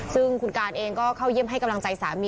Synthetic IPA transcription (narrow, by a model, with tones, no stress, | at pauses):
sɯ˥˩ŋkʰu˧nkaː˧nʔeː˧ŋkɔː˥˩kʰa˥˩wji˥˩əmɦa˥˩jka˧mla˧ŋt͡ɕa˧jsaː˨˩˦mi˧